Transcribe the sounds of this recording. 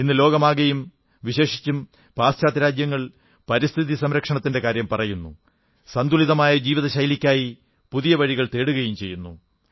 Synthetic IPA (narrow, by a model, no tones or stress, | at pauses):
inːɨlo̞ːɡɐmaːɣɐjum | ʋiɕe̞ːʂi̥t͡ɕːum | paːsɕaːt̪ɾaːd͡ʑjɐŋːɐɭ | pɐɾist̪ʰiðisɐmɾɐkʂɐɳɐt̪ːinde̞kaːɾjɐmpɐrɐjunːṵ | sɐnd̪uliðɐmaːjɐd͡ʑiːʋiðɐɕɐjlikʲːaːji | puðijɐʋɐɻiɣɐɭt̪e̞ːɽuɣɐjumt͡ɕe̞jːunːṵ